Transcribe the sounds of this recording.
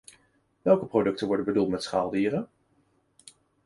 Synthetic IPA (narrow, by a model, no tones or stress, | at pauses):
ʋɛlˠkəprodɵk̚tənʋɔɹdənbədulˠtmɛtsχaːlˠdiːrən